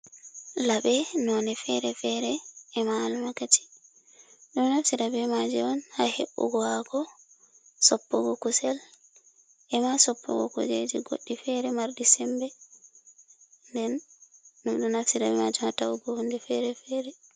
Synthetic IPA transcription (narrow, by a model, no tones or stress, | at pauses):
laɓɛnɔnɛfɛɾɛfɛɾɛɛmaːlmakat͡ʃi̥ | ɗumnafsiɾabɛmad͡ʒɛɔnhahḛɓːṵɡɔhaɡɔ | sɔpːɔɡɔkusɛl | ʔɛmasɔpʰːɔ̰ɡɔ̰kṵd͡ʒed͡ʒiɡo̰ɗːifɛɾɛmaɾdisɛmbɛ | ndɛnː | umɗunafsiɾabɛmad͡ʒɛmatawɡɔhundɛfɛɾɛfɛɾɛ